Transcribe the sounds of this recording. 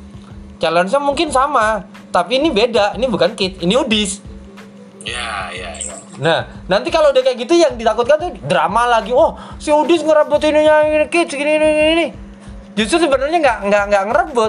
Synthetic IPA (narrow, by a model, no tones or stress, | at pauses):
t͡ʃalans̬amuŋkɪnsama | t̪apiːnibedainibukankɪt̪̚iniudɪs | jaa | nahnant̪ikalodakajaʔɡit̪ujaŋdit̪akʊt̪̚kant̪udɾa̰malaɡiɔhsɪudɪsŋəɾəbʊt̪iniɲankɪt̪sɡininiini | d͡ʒust̪ɾʊrsəbənərɲaŋɡaʔŋɡaʔŋɡaʔŋəɾəbʊt̪̚